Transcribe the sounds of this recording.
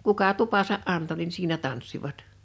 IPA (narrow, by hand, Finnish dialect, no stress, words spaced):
kukɑ tupɑsɑʔ ʔɑnto nin siːnæ tɑnsːiʋɑt